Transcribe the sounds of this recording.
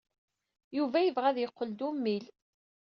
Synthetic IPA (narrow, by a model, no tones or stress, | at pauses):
juvæjəvʁæðjəqːəld̪umːil